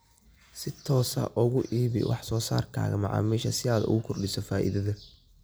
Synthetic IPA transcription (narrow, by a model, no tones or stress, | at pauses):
sɪt̪ʰɔːsɐ̰ʔʊɣʊʔiːβɪ̰wɑ̰ħsɔːsa̰ːrkʰa̰ːɣɐ̰mɑʕɑ̰ːmiːʃɐsɪaːd̪ʊ̰ɣʊkʰɔrɖɪsɔfaːʔɪ̰ðɐðɐ